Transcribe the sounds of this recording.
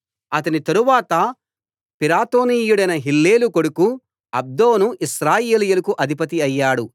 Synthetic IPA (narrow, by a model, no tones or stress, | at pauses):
ɐt̪ɐnit̪ɐɾuʋaːt̪ɐ | piɾaːt̪oːniːjuɽɐjnɐɦilːe̞ːlukoɽuku | ɐ̰b̚d̪oːnuʔiʃɾaːjeːlijulɐkuʔɐd̪ʱipɐt̪̬iɐjːaːɽu